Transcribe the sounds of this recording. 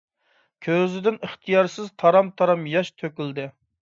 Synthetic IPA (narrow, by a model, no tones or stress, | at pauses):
kʲʰøzɪd̪ɪnəχt̪ʰijɑɾsɪzt̪ʰɑɾɑmt̪ʰɑɾɑmjɑʃt̪ʰøkʲyld̪ɪ